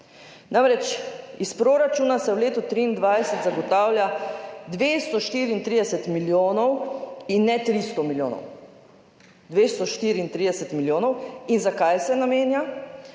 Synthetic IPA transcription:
namɾɛt͡ʃispɾoːɾat͡ʃuːnasɛwleːt̪ut̪ɾiːnd̪ʋajsɛt̪zaɡɔt̪aːwljad̪ʋeːst̪ɔʃt̪iːɾiint̪ɾid̪ɛsɛt̪miljoːnɔwinːɛt̪ɾist̪ɔmiljoːnɔ̰w | d̪ʋest̪ɔʃt̪iːɾiint̪ɾid̪ɛsɛt̪miljoːnɔwinzakajsɛnameːnja

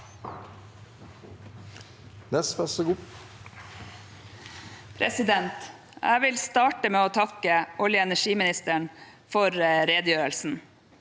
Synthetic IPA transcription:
nɛspɛsəɡuː | pʰɾɛsɪd̪ɛnt̪ | ʔæ̰ɪʋɪlst̪ɑːʈəmeːoːt̪ʰɑkəʔɔljəɛnæʂiːmɪnɪst̪əɳfɔɾɾeːd̪jøːɾəlsn̩

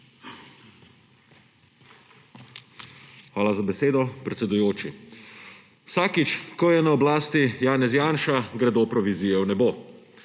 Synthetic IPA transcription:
xʋaːlazabɛseːd̪ɔpɾɛt̪sʲɛd̪ujoːt͡ʃi | wsaːkit͡ʃkɔjɛnaɔblaːst̪ijaːnɛzjaːnʃaɡɾɛd̪oːpɾɔʋizijɛwnɛboː

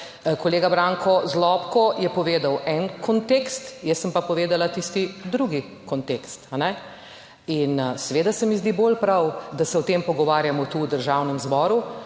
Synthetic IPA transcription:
kɔleːɡabɾaŋkʰɔzlɔpkɔjɛpɔʋeːd̪awʔɛnkʰɔnt̪eːkst̪jɛsːəmpapɔʋeːd̪alat̪ist̪id̪ɾuɡi | kɔnt̪ekst̪anɛ | insɛʋeːd̪asɛmizd̪ibolpɾawd̪asɛɔt̪empɔɡɔʋaːɾjamɔt̪uwd̪əɾʒawnɛmzbɔːɾu

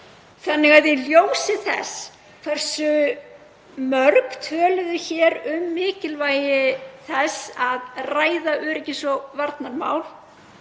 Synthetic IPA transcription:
θanːɪɣaðjɪljoːwsɪθɛ̰s | kʰv̥ɛr̥sʏ | mœɾkt̪ʰœːlʏðʏçɛːɾʏmːɪːcɪlvaːjɪθɛsaðraːjðaʔʏɾɛcːɪsɔvaɾt̪naɾma̰ːwl

